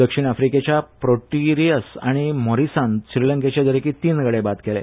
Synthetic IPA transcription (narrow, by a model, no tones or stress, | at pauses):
d̪əkʂiːɳ̃afɾiket͡ɕjapɾoʈiɾiəsa̰ɽ̃imɔɾisanɕɾiləŋket͡ɕed̪əɾekiːt̪iːnɡəɽebat̪kelḛ